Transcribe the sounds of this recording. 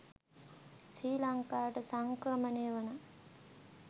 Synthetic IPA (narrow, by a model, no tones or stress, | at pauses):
sɾiːlɐŋkaːʈəsɐŋkrɐməneːʋəna